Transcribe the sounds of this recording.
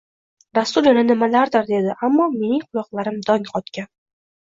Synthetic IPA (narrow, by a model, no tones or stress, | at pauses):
ɾasːʊljananɪmalaɾd̪ɪɾd̪e̞d̪ɪʔamːɒme̞nɪŋqʰʊlˠɒqlˠaɾɪmd̪ɒŋqʰɒt̪kʲan